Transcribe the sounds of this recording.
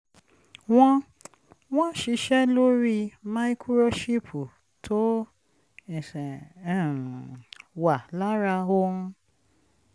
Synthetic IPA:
w̃ɔ̃˧ | w̃ɔ̃˦ʃi˨˧˦ʃɛ˦lo˦ɾi˧ma˦i˦kʰu˦ɾo˦ʃi˦pʰu˨ | tʰo˦ | ɛ˨sɛ˨ | wa˨la˦ɾa˧o˧ũ˧

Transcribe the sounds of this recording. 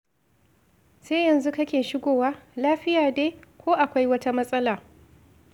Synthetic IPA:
seː˦jɐ˨nzu˦kɐ˦kʲeː˨ʃɪ˦ɡʷoː˨waː˦laː˦ɸɪ˦jaː˨deː˦kʷoː˦ʔa˨kʷa˦jwɐ˦ta˦mɐ˦sʼɐ˦laː˨

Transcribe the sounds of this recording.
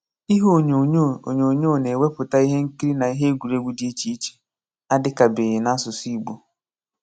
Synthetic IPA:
i˦ɦo˦ɲ˨˦o̰˨ɲo˨ɲoː˦˨ne˨we˦pʊ˨ta˦i˦ɦe˦ŋ̩˦ki˦ɾi˦na˨i˦ɦe˦ɡʷu˨ɾe˦ɡʷu˦di˦i˦t͡ʃi˦i˦t͡ʃe̥˨ | a˦dɪ˦ka˨bɪ˨jɪ˨na˦sʊ˨si˦˨ɡ͡bo˨

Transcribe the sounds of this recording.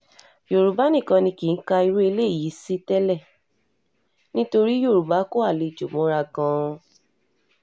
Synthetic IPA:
jo˨ɾu˨ba˨˦nĩ˦˨kã˧nĩ˧ki˨n̩˦ka˧i˧ɾu˦e˧le˦˨ji˨˦si˦tɛ˦lɛ˦˨ | nĩ˦to˧ɾi˦jo˦˨ɾu˨ba˨˦ko˦a˦˨le˨˧˨d͡ʒo˨mɔ̃˨˦ɾa˧ɡã˧

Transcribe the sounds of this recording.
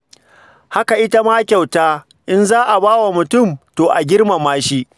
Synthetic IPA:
ha˦ka˨ʔɪ˦ta˦maː˦kʲa˨wtaː˦ | ʔɪ˦nzaː˦ʔa˨baː˦wa˨mʊ˨tʊ˦˨mtoː˨ʔa˨ɡʲɪ˦rma˨maː˦ʃi˦ʔ

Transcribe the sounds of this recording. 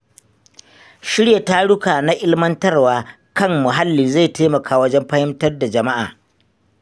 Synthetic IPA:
ʃɪ˦ɽja˨ta˦ɽʊ˦kaː˨na˦ʔɪ˦lmɐ˦ntɐ˦rwaː˨ | kɐ˦˨mːʊ˨ɦa˦lːiː˨za˦˨teː˦mɐ˨kʰaː˦wɐ˦d͡ʒɛ˦mɸɐ˦hɪ˦mtɐ˦rda˨d͡ʒɐ˨ma˦ʔa̰ː˨

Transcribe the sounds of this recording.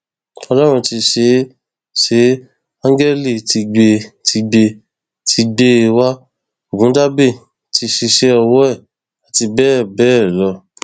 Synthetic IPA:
ɔ˧lɔ˦ɾ̃ũ˧ti˧ʃe˨˧˦ | ʃe˨˦ | ã˦ɡɛ˦li˦˨ti˧ɡ͡be˧tʰi˧ɡ͡be˧ | tʰi˧ɡ͡be˦e˧wa˦ | o˨ɡũ˨˦da˦be˦˨ | ti˧ʃi˧ʃe˦ɔ˧wɔ˦ɛ˦˨ | a˨ti˧bɛ˦˨bɛː˦˨lɔ˧

